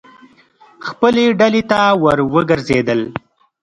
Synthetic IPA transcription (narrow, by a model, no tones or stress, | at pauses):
xpəleɖalet̪awəɾwəɡəɾzed̪əl